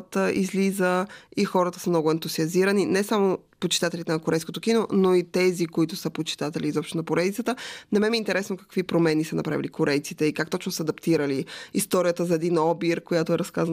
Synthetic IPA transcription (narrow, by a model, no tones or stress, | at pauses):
t̪əʔizlizəixɔɾət̪ə̥səmnɔɡʊɛnt̪ʊziɐziɾəninɛsamopot͡ʃi̥t̪at̪ɛlit̪ɛnɐkoɾɛjskot̪okinonoit̪ɛzikoit̪ʊsəpot͡ʃi̥t̪at̪ɛliːzɔpʃt̪onɐpoɾɛd̪it̪sət̪ənɛmɛmiːnt̪ɛɾɛsnokə̥kvipɾomɛnisənɐpɾa̰vḭlikoɾɛjt̪sit̪ɛikakt̪ɔt͡ʃnosəːd̪ɐpt̪iɾəliist̪ɔɾijət̪əzɐɛd̪inɔbiɾkojat̪ʊɛɾɐskazə